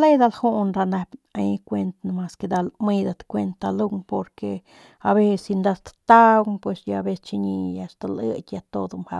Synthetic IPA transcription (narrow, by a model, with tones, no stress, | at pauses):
le˦jd̪a˧lhu˦ʔnɾa˧na˧bʲaji˧kʷe˧nt̪nma˧ske˧d̪a˧lmɨ˦d̪at̪kʷe˧nt̪ːa˧lu˦ŋpo˧ɾke | aβe˦si˧nd̪a˧t̪t̪a˦ɡpwe˧sjaabe˧st͡ʃi˧ɲi˧jast̪alɨ̰˦kʲjat̪o˧d̪umha̰˧